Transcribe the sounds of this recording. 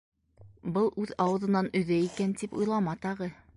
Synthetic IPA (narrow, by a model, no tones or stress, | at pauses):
bɤlˠʔʉðɑwɤ̆ðɤ̆nɑnɵ̆ðæikænt̪ipṵjlˠɑmɑt̪ɑʁɤ